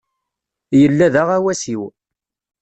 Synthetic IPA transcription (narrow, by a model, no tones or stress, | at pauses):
jəlːæðaʁæwæsiw